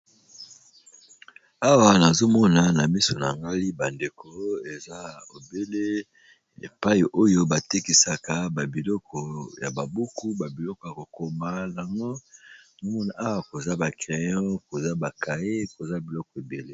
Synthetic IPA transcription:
a˦wa˨na˨zo˦mɔ˦na˨na˨mi˦so˨na˨ŋɡa˦li˦ba˨nde˨ko˦e˨za˦o˨be˦le˦ | ḛ˨pa˦i˨ʔo˦jo˦ba˨te˦ki˦sa˨ka˦ba˨bi˨lɔ˦kʰɔ˨ja˨ba˨bu˦ku˦ba˨bi˨lɔ˦kɔ˨ja˨ko˨ko˨ma˦na˨ŋɡo˦˨o˦mɔ˦na˨ʔa˦wa˦ko˨za˦ba˨kʁe˨jɔ̃˦ko˨za˦ba˨ka˨je˦ko˨za˦bi˨lɔ˦kɔ˨e˨be˨le˦

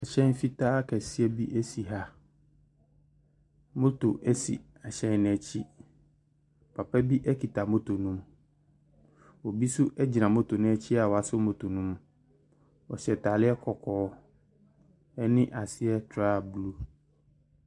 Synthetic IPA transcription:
a˨ɕɛ̃˦n˦fi˦tʰaː˦kʰɛ˨sɪ˦ɛ˦bi˦ʔɛ˦si˨ɦa˦ | mõ˦to˨ʔɛ˦sḭ˨ | a˨ɕɛ̃˦˨n˦nɛ̃˨t͡ɕʰi˦ | pʰa˨pɛ˦bi˦ʔɛ˦kʰi˨ta˨mõ˦tʰo˨nũ˦m | wɔ˨bi˦sʊ˦ʔɛ˦d͡ʑi˨nã˨mʊ̃˦to˨nʊ̃˦ɛ˦t͡ɕʰi˦a˨wɔ˨a˨sʊ˦mõ˨tʰo˨nũ˦m | ɔ̰˨ɕɛ˨tʰa˨lɪ˦ɛ˦kʰɔ˨kʰɔː˨˦ | ɛ˦nɪ̃˦ʔa˨sɪ˦ɛ˦tʰɾaː˦˨blu˦

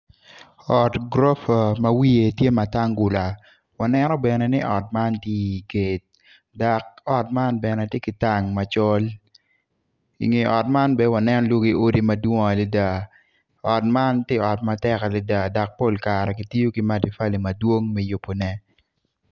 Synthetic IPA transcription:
ɔ˨tɡɾɔ˦fa˨ma˦wi˦e˨tje˦ma˨ta˦ŋɡʊ˨la˨ | wa˨nɛ˦nɔ˦bɛ˨nɛ˨nɪ˦ʔɔ˨t̚ma˦ntje˦˨ɡe˨t̚ | da˨k̚ɔ˨tma˦nbɛ˨nɛ˨tje˦kɪ˨ta˦˨ŋma˨t͡ʃo˦l | ḭ˨ŋe˨ɔ˨t̚ma˦nbɛ˦wa˨nɛ˦nɔ˦lwo˦ɡi˦o˦di˦ma˨dwo˦ŋ˨a˨li˦da˦˨ | ɔ˨t̚ma˦ntje˦ɔ˨tma˨tɛ˦ka˨li˦da˨da˨k̚po˦˨lka˨ɾɛ˨ki˨ti˦o˦ki˦ma˦di˨fa˦li˨ma˨dwo˦ŋmɛ˦jo˨po˨nɛ˦

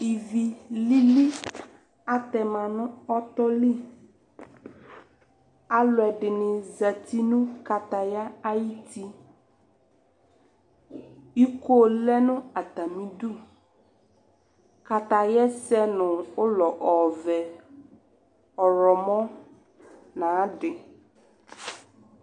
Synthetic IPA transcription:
i˨vi˨li˦li˦ | a˨t̪ɛ˨mã˨nʊ̃˦ɔ˦t̪ɔ˦li˦˨ | a˦lʊ˨ɛ˨ɖɪ˨nɪ̃˨za˨ti˦nũ˦ka˨t̪a˨ja˦a˦ji˦ti˦ | i˦ko˦lɛ˦nʊ̃˦a˨t̪a˨mĩ˦du˦˨ | ka˨t̪a˨jɛ˦sɛ˦nʊ̃˨ʊ˦lɔ˨ʔɔ˨vɛ˨ | ɔ˨ɾɔ˨mɔ̃˦ | nã˨˦ɖɪ˨

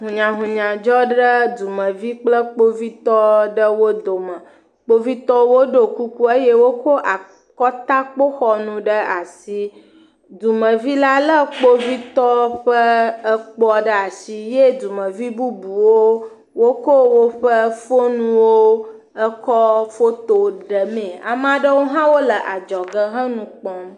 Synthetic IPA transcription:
ɦũ˨ɲã˨ɦũ˨ɲã˨d͡ʒɔ˦ɖə˦d̪u˨mə̃˨vi˦k͡plə˦k͡po˦vi˦t̪ɔ˦ɖə˦wo˦d̪o˨mə̃˨ | k͡po˦vi˦t̪ɔ˦wo˦ɖo˨ku˦ku˦e˦je˦wo˦ko˦ʔa˨ | kɔ˦t̪a˦k͡po˦xɔ˨nũ˦ɖə˦a˨si˦ | d̪u˨mə̃˨vi˦la˦lə˦k͡po˦vi˦t̪ɔ˦ɸə˦ə˦k͡pɔ˦ɖə˦a˨si˦je˦d̪u˨mə̃˨vi˦bu˦bu˨wo˦ | wo˦ko˦wo˦ɸə˦fo˦nũ˦wo˦ | ə˦kɔ˦fo˦t̪o˨ɖə˨mẽ˨a̰˨m˦ã˨ɖə˦wo˦ɦã˦wo˦lə˨ʔa˨d͡ʒɔ˨ɡə˦ɦə̃˦nũ˦k͡pɔ˦m

